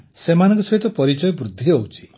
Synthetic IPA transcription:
semanɔ̃ŋkɔsɔɦit̪ɔpɔɾit͡ʃɔjɔbɾud̪ʱːiowt͡ʃʰi̥

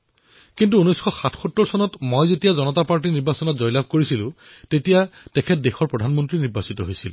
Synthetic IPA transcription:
kint̬uunojsxʰɔxatʰxutːɔɹsɔnɔtmojzetijazɔnɔtapaɹt̬iniɹbasɔnɔtzɔjlab̚ʱkoɹisilʊ̃ | tetijatɛkʰɛt̚dexɔɹpɹɔdʱanmɔntɹiniɹbasitɔɦojsil

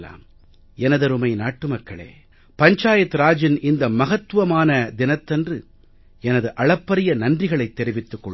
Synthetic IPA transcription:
la̰ːm | ɛnɐðɐɾɯmɐɪnaːʈːɯmɐkːɐɭḛː | pɐɲt͡ʃaːjɐt̪ːɯɾaːd͡ʒɪnʔɪnd̪ɐmɐɣɐt̪ːɯʋɐmaːnɐd̪ɪnɐt̪ːɐndrɯ | ɛnɐðɯʔɐɭɐpːɐɾɪjɐnɐndrɪɣɐɭɐɪt̪ːɛɾɪʋɪt̪ːɯkːɔɭ

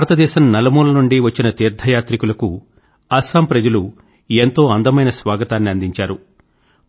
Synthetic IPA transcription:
aːɾɐt̪ɐd̪ɛːʃɐmnɐlɐmuːlɐnuɳɖiʋɐt͡ʃːinɐt̪iːɾd̪ʱɐjaːt̪ɾikulɐku | ɐsaːmpɾɐd͡ʒɐlu | ent̪o̞ːɐnd̪ɐmɐjnɐsʋaːɡɐt̪aːnːiɐnd̪iɲt͡ʃaːɾu

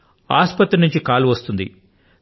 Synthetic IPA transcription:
a̰ːspɐt̪ːɾinuɲt͡ʃikaːluʋɐst̪und̪ḭ

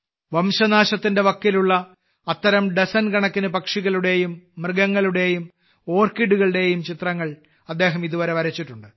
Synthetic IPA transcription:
ʋɐmɕɐnaːɕɐt̪ːinde̞ʋɐkːiluɭːɐ | ɐt̪ːɐɾɐmɖesɐnkɐɳɐkːinɨpɐkʂiɣɐɭuɽe̞ːjumːrɨɡɐŋːɐɭuɽe̞ːjum | o̞ːrkiɖuɣɐɭɨɽe̞jumt͡ɕit̪rɐŋːɐɭ | ɐd̪ːe̞ːɦɐmiðuʋɐɾe̞ʋɐɾɐt͡ɕːiʈːuɳɖɨ

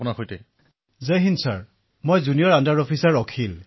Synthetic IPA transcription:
pʊnaxojtɛ | zeɦinsaɹ | mojzunijɔɹandaɹɔpʰisaɹɔkʰil

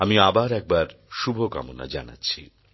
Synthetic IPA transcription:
amiabaɾɛk̚baɾ | ʃubʱoka̰mona̰d͡ʑana̰tːɕʰi

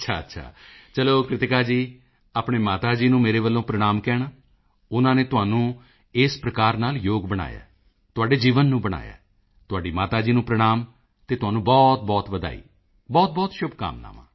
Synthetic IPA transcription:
ətːt͡ʃʰaːətːʃʰa̰ːt͡ʃəloːkɾɪt̪ɪkaːd͡ʒiː | aːpɳeːmaːt̪aːd͡ʒiːnũːmeːɾeːʋəlːõːpɾəɽ̃aːmkɛːɽ̃aː | ʊnãːneːt̪ʊɦaːnũː | ɪspɾəkaːɾnaːljoːɡbəɽ̃a̰ːja̰ː | t̪ʊɦaːɖeːd͡ʒiːʋənːũːbəɽ̃a̰ːja̰ː | t̪ʊɦaːɖiːmaːt̪aːd͡ʒiːnũːpɾəɽ̃aːm | t̪eːt̪ʊɦaːnũːbɔːt̪̚bɔːt̪ʋəd̪a̰ːḭː | bɔːt̪̚bɔːt̪ʃʊbka̰ːmna̰ːʋã̰ː

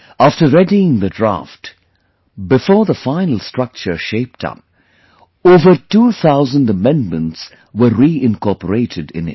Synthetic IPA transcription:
æftə˞ːɛdiɪ̃ŋðədɹa̰ft | bɪfɔːɹðəfãɪ̃nl̩ˠstɹ̥ʌk̚t͡ʃə˞ʃeɪp̚tʰʌ̰p̚ | oːvətuːθaʊzə̃ndəmɛ̃ndmə̃nts | wəɾːiɪ̃nkɔpəɾeɪɾʰɨdɪ̰̃nɪ̰

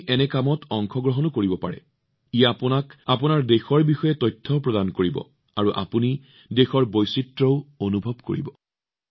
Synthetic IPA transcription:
ʔɛnɛkamɔtɔŋkʰɔɡɹɔɦɔnɔkoɹibɔpa̰ɹɛ̰ | ijaːpʊnakapunaɹdexɔɹbixɔjɛtɔjtʰːɔpɹɔdankoɹibɔ̰ | aɹuʔa̰puni | dexɔɹbojsitɹɔʊonubʱɔb̚ko̰ɹḭbɔ

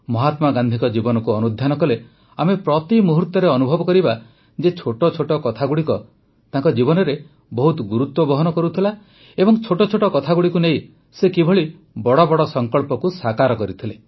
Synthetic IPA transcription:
mɔɦat̪maɡand̪ʱikɔd͡ʒibɔnɔkuɔnud̪ʱjanɔkɔle | amepɾɔt̪imuɦuɾt̪ɔɾeɔnubʱɔbɔkɔɾiba | d͡ʒet͡ʃʰoʈɔt͡ʃʰoʈɔkɔt̪ʰaɡuɽikɔ | t̪ãŋkɔd͡ʒibɔnɔɾe | bɔɦut̪ɔɡuɾut̪wɔbɔɦɔnɔkɔɾut̪ʰila | ebɔŋt͡ʃʰoʈɔt͡ʃʰoʈɔkɔt̪ʰaɡuɽikunej | sekibʱɔɭi | bɔɽɔbɔɽɔsɔŋkɔɭpɔkusakaɾɔkɔɾit̪ʰile

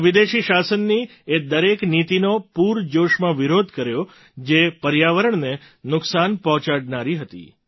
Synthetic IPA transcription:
ʋid̪eʃiʃasənːi | ed̪əɾeknit̪inopuɾd͡ʒoʃmãʋɪɾod̪ʱkəɾjo | d͡ʒepəɾjaʋəɾəɳne | nʊksanpɔɦt͡ʃaɽnaɾiɦət̪ḭ

